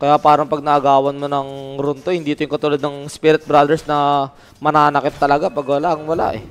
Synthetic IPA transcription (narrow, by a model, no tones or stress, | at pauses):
kɐjapaːɾɐŋpɐɡ̚nɐʔɐɡaːwɐnmonɐŋɾʊnt̪ohɪnd̪iːt̪ojʊŋkɐt̪uːlɐd̪nɐŋspɪɾɪt̪̚bɾad̪ɛɹsnɐ | mɐnaːnɐkɪt̪ːɐlɐɡapɐɡwɐlaʔɐŋwɐla̰ʔɛ